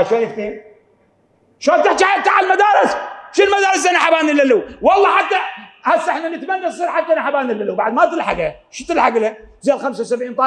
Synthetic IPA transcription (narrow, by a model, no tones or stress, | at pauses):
aʃalɪkt̪eːn | ʃoːlt̪aħt̪aħaab̚t̪aʕalmad̪aːɾˤɪsʃilmad̪aːɾɨs̬ʔanaħabaːnilːaluwwɑlˤːɑħat̪ːaħasːɪħnanɪt̪manːazsˤiːɾħad̪ːanaħabaːnɪlːaluwbaʕd̪mat̪ɨlħa̰ɡaʃɪt̪ɪlħaɡɪlazeːlxamsawsabʕiːnfa